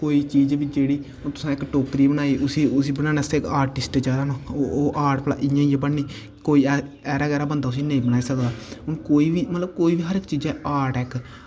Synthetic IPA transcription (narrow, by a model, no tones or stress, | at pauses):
koːiːt͡ʃiːd͡ʒʋid͡ʒeːɽiː | ot̪ʊ̥sãːɪkʈoːkɾiːbənaːiːʔʊsiːʊsiːbənaːnaːsekaːɾʈɪsʈt͡ʃaːɾaːnõːooːʔaːɾʈpla̰ːʔɪ̃jãːijebəɳniː | koːiːɛ | ɛːɾaːɡɛːɾaːbənd̪aːʊs̬iːnẽĩːbəñaːiːsəkd̪aːʊnkoːiːʋiːmət̪ləb̚koːiːʋiːɦəɾɪkt͡ʃiːd͡ʒɛːʔaːɾʈɛːk